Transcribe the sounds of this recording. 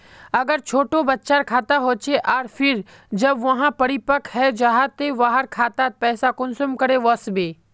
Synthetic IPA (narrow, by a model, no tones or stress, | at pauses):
ɐɡəɾt͡ʃʰoːʈobɐtːʃaːɾkʰaːt̪aɦoːt͡ʃʰeʔaːɾfʰɪɾ | d͡ʒɐbʋɐɦãpɐɽipəkʰɦɛd͡ʒaɦat̪eʋaːɦəɾkʰaːt̪at̪̚pɛːsakʊnsʊmkɐɾeʋɐsbeː